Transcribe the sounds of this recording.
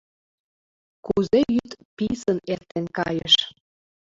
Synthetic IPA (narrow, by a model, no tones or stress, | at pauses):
kuzejyt̪pisənert̪enkɑjə̰ʃ